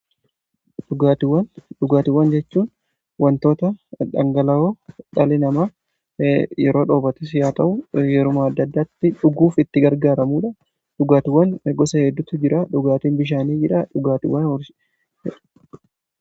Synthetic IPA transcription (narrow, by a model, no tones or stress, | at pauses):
ᶑʊɡaːt̪ɪwːɐnᶑʊɡaːt̪ɪwːɐnd͡ʒɛt͡ʃːuːn | wɐnt̪o̞ːt̪ɐᶑɐ̰ŋɡɐlɐoːᶑɐlɪnɐma | jɛɾo̞ːᶑoːbɐt̪ɛsɪjaːt̪ɐʔʊjɛɾʊmaːd̪ːɐd̪ːaːt̪ːɪᶑʊɡuːfɪt̪ːɪɡɐɾɡaːɾɐmuːᶑɐ | ᶑʊɡaːt̪ɪwːɐnɡɔsɐhɛd̪ːʊt̪ːʊd͡ʒɪɾaːᶑʊɡaːt̪iːnbɪʃ̬aːniːd͡ʒɪᶑaᶑʊɡaːt̪ɪ̰wːɐnɔɾ